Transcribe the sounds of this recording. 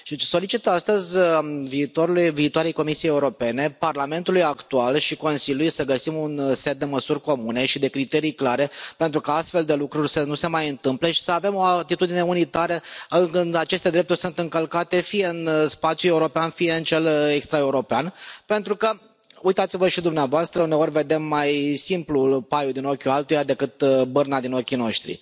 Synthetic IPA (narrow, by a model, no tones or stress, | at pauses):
ʃit͡ʃso̞lit͡ʃit̪ast̪əzʲviːt̪oɾuluviːt̪waɾe̞jko̞misijejːeuɾo̞pe̞ne̞parlame̞nt̪ulujakt̪ualʃiko̞nsiljulujsəɡəsimunset̪̚d̪e̞məsurʲko̞mune̞ʃid̪e̞kɾit̪e̞ɾijklaɾe̞pe̞nt̪ɾukaast̪fe̞ld̪e̞lukɾurʲsənuse̞majɨnt̪ɨmple̞ʃi̥səave̞mo̞at̪it̪ud̪ine̞unit̪aɾəɨkɨnat͡ʃe̞st̪e̞d̪ɾe̞p̚t̪urʲsunt̪ɨŋkəlkat̪e̞fije̞ɨnspat̪sjue̞uɾo̞peanfije̞ɨnt͡ʃe̞lekst̪ɾae̞uɾo̞peanpe̞nt̪ɾukə | ujt̪at̪sivəʃid̪umneavoast̪ɾəune̞o̞rʲve̞d̪e̞mːajsimplupajud̪ino̞kʲualt̪ujad̪e̞kɨt̪bɨrnad̪ino̞kʲino̞ʃt̪ɾḭ